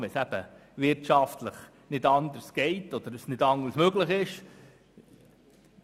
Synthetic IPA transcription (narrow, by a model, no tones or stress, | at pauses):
ʋɛsæb̥ə | ʋɪɾtt͡ʃɑftləχ | nɪdɑnd̪əsɡ̥ɛɪtɔd̥̪əɾəsnɪdɑŋːəɾsmøɡləχɪʃ